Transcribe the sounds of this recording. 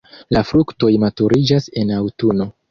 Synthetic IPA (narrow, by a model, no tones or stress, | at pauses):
lafɾukto̞jmatuɾid͡ʒase̞nawtuno̞